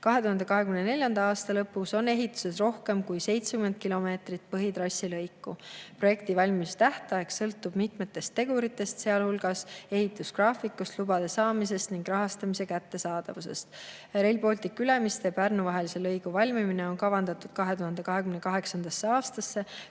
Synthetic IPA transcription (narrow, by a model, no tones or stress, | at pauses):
kɑɦet̪uɦɑnd̪̥e̞kɑɦe̞kymnenelʲjɑnd̪ɑɑːst̪ɑlɤpːˑuso̞ne̞ɦit̪ːˑu̥se̞sro̞hke̞mkujse̞jt̪sekyme̞n̚kilo̞me̞ːt̪rit̪̚pɤɦit̪ɾɑsʲːilɤjkːupro̞je̞k̚t̪ivɑlʲmist̪æht̪ˑɑeksɤlt̪ːˑub̥mit̪me̞t̪ːˑe̞st̪ːe̞ɡ̥uɾit̪ːˑe̞st̪se̞ɑlhulɡ̥ɑse̞ɦit̪ːˑuskrɑːfikːˑust̪lubɑd̪̥e̞sɑːmis̬e̞st̪niŋɡrɑɦɑst̪ɑmise̞kæt̪ːe̞sɑːd̪̥ɑvuse̞̰st̪ɾe̞lpo̞ːlʲt̪ikːylemist̪e̞pærnuvɑɦelise̞lɤjɡ̥uvɑlʲmimine̞o̞nkɑvɑnd̪̥ɑt̪ːud̪̥kɑɦet̪uhɑnd̪e̞kɑɦe̞kymne̞kɑɦe̞ksɑnd̪̥ɑsːeɑːst̪ɑsːe̞